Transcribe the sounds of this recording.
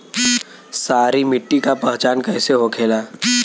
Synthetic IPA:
saːɾimɪʈːikapɛɦt͡ʃaːnkɛːseɦokʰeːlaː

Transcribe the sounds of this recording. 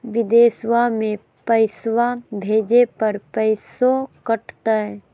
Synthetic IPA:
ʋɪd̪eːswamẽ | pəɪsʋabʱeːd͡ʒepɐɾpəɪsokəʈʰt̪aɛ

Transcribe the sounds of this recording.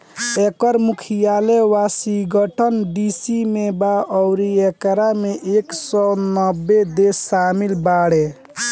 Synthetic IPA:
ekəɾmukʰijalewasiɡəʈʰənɖisimebaʔɔwɾiekɾameʔeksɔnəbːed̪esːamilbaɽe

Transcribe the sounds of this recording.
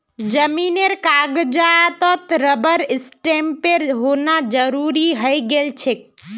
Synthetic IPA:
d͡ʒəmineɾkaɡd͡ʒat̪ɔt̪ɾəbəɾɪsʈempeɾɦonad͡ʒəɾuɾiɦəjɡelt͡ʃʰek̚

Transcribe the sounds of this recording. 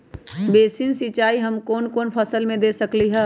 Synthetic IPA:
beːsɪnsɪt͡ʃaːiɦɐmkɔːnkoːnpʰɐsəlmẽd̪eːsɐkliɦɛː

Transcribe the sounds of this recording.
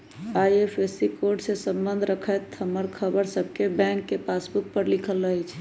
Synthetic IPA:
ajepʰesikoɾɖsẽsə̃mbənd̪ʱɾəkʰəjt̪ɦəmːəɾkʰəbəɾsəb̚ʱkebɛ̃ŋkːepasbuk̚pəɾlikʰəlːəɦɛt͡ʃʰ

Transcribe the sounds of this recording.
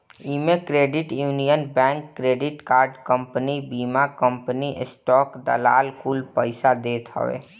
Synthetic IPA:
imekɾeːɖɪʈjuːnijənbɛ̃ːŋkːɾeːɖɪʈkaːɾɖkə̃mpənibiːmakə̃mpəniʔɪsʈɔːkd̪ə̰la̰ːlkʰuːlpəɪsad̪eːt̪ɦə̰ʋḛː

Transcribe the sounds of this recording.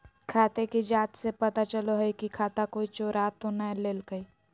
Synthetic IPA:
kʰaːt̪ekid͡ʒaːt̪sepɐt̪at͡ʃəloɦəikikʰaːt̪akoːit͡ʃoːɾaːt̪ːonəleːlɡəi

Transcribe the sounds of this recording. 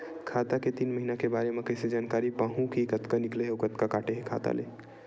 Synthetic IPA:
kʰaːt̪aket̪iːnməɦinakebaːɾemẽkəɪsed͡ʒaːnkaːɾipaːɦũkikət̪kanɪkleɦeokət̪kakaːʈeɦekʰa̰ːt̪a̰lḛː

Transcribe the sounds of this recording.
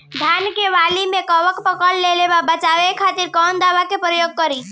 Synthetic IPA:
d̪ʱjaːnkeʋaːlimẽkɔʋəkpəkəɽlelebabət͡ʃaːʋekʰaːt̪ɪɾkɔːnd̪aːʋakepɾəjoːɡ̚kəɾiː

